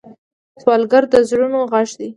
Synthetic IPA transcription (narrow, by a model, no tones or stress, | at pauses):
swɑlɡaɾd̪əzɽunoɣaʃd̪i